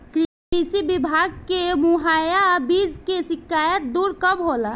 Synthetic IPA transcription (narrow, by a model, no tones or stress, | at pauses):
k | isibɪbʱaːɡ̚kemuɦaːjabiːd͡ʒkeʃɪkaːjət̪̚d̪uːɾkəmɦoːla